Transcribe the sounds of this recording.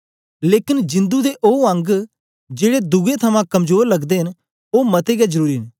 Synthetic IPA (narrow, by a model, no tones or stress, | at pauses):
leːkɪnd͡ʒɪ̃nd̪ud̪eʔoːɐ̃ŋɡ | d͡ʒeːɽed̪ʊɡet̪ʰɐmãkɐmd͡ʒoːɾlɐɡd̪eɦɪn | oːmɐt̪eɡazəɾuːɾiɦɪn